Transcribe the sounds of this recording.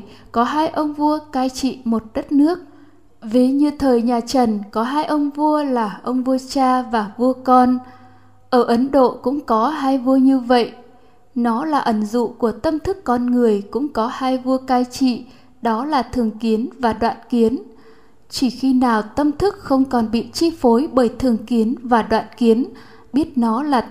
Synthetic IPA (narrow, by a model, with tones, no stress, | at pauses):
kɔ˨˦ɦaː˧jʔə˧wŋ͡mvu˧əkaː˧jt͡ɕḭ˧˨mo˨˩t̚ɗə˦˥t̚nɨ˦˥ək̚ | ve˨˩ɲɨ˧t̪ʰəː˨˩jɲaː˨˩t͡ɕə˨˩nkɔ˨˦ɦaː˧jʔə˧wŋ͡mvu˧əlaː˨˩ʔə˧wŋ͡mvu˧ət͡ɕaː˧vaː˨˩vu˧əkɔ˧n | ʔəː˧˩ʔə˨˦nɗo̰˧˨kʊ̰˧˥ŋ͡mkɔ˨˦ɦaː˧jvu˧əɲɨ˧və̰˧˨j | nɔ˨˦laː˨˩ʔə˧˩ŋzṵ˧˨ku˧˩ət̪ə˧mt̪ʰɨ˦˥kːɔ˧nŋɨ˨˩əjkʊ̰˧˥ŋ͡mkɔ˨˦haː˧jvu˧əkaː˧jt͡ɕḭ˧˨ | ɗɔ˨˦laː˨˩t̪ʰɨ˨˩əŋki˨˦ənvaː˨˩ɗwa̰ː˧˨nki˨˦ən | t͡ɕi˧˩xi˧naː˨˩wt̪ə˧mt̪ʰɨ˦˥k̚xə˧wŋ͡mkɔ˨˩nɓḭ˧˨t͡ɕi˧fo˨˦jɓəː˧˩jt̪ʰɨ˨˩əŋki˨˦ənvaː˨˩ɗwa̰ː˧˨nki˨˦ən | ɓi˦˥ət̚nɔ˨˦laː˨˩